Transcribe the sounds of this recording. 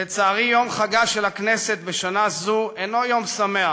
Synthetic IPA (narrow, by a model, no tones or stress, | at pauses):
et͡saːʁijo̞mχaɡaʃelakneset̪beʃanazueno̞jo̞msamea